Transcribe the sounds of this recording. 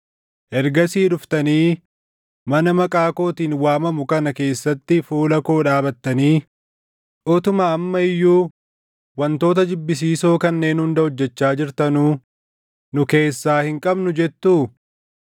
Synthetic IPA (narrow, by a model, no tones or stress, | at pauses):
ʔɛɾɡɐsiːᶑʊft̪ɐniː | mɐnɐmɐkʼaːko̞ːt̪iːnwaːmɐmʊkɐnɐke̞ːsːɐt̪ːɪfuːlɐko̞ːᶑaːbɐt̪ːɐniː | ʔoːt̪ʊmaɐmːɐɪjːuː | wɐnt̪o̞ːt̪̬ɐd͡ʒɪbːɪs̬iːso̞ːkɐnːe̞ːnhʊnd̪ɐhɔd͡ʒːɛt͡ʃːaːd͡ʒɪɾt̪ɐnuː | nʊke̞ːsːaːhɪŋkʼɐbnʊd͡ʒɛt̪ːuː